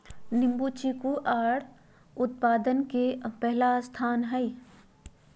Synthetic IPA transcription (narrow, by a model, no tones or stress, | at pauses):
nɪ̃mbut͡ʃikuʔaːɽ | ʊt̪paːd̪ənkepɛɦlast̪ʰaːnɦɛi